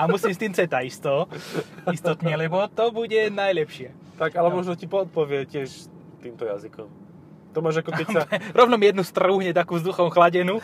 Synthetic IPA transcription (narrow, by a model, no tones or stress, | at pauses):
amusimst̪iːmt͡sɛt̪aist̪ɔːist̪ɔt̪ɲɛlɛbɔt̪ɔbuɟɛnajlɛpʃɪɛ | t̪aɡalɛmɔʒnɔcipɔːt̪̚pɔʋɪɛcɪɛʃ | t̪iːmt̪ɔja̰zikɔm | t̪ɔmaːʒakɔɛɛɾɔʋnɔmijɛd̪nust̪ruːɦɲɛt̪akuvzd̪uxɔmxlaɟɛnu